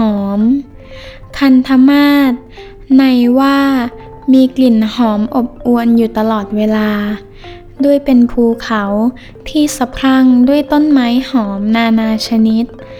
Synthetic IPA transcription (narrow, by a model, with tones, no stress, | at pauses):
hɔː˩˦m | kʰa˧nt̪ʰa˧˥maː˥˩t̪̚ | na˧jwaː˧˥˩ | miː˧kli˨˩nhɔː˩˦mʔo˨˩p̚ʔu˧ənjuː˨˩t̪a˧lɔː˨˩t̪̚weː˧laː˧ | du˥˩əjpe˧npʰuː˧kʰa˩˦w | pʰiː˧˥˩sa˧pʰɾa˧˥˩ŋdu˥˩əjt̪o˥˨nmaː˦˥jhɔː˩˦mnaː˧naː˧t͡ɕʰa˧ni˦˥t̪̚